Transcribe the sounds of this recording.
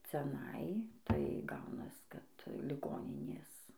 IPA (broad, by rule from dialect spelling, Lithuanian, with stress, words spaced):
t͡sʲɛˈnɐɪ tɐɪ ˈɡɐʊnɐs kɐt lʲɪˈɡoːnʲɪnʲeːs